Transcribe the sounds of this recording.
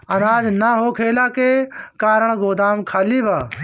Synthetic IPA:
ənaːd͡ʒnaɦoːkʰeːlaːkeːkaːɾəɳ̃ɡoːd̪aːmkʰaːliːbaː

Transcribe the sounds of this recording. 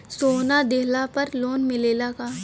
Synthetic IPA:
soːnad̪eɦlapɐɾloːnmɪleːlaːkaː

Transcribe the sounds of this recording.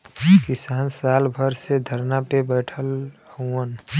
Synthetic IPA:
kɪsaːnsaːlbʱəɾsed̪ʱəɾnapebɛːʈʰəluən

